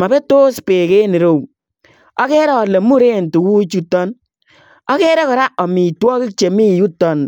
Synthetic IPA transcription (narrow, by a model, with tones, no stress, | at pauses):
ma˨bɛ˦to˦spɪ˨ke˦ni˨ɾo˦˨w | ɔ˦kɛ˦ɾɛ˦ɔ˨le˨mu˦ɾe˦˨ntu˨wu˦t͡ʃu˦tːɔ˦n | ɔ˦kɛ˦ɾɛ˦kɔ˨ɾa˦ɔ˨mi˨twɔ˦kɪ˦t͡ʃe˨mi˦˨ju˦tːɔ˦˨n